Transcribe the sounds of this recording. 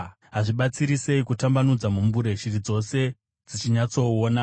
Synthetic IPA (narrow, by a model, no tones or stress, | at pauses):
ɦaʐiɓat͡siɾise̞ikutambanud͡zamumbuɾe̞ʃirid͡zo̞se̞ | d͡zit͡ʃiɲat͡so̞oːna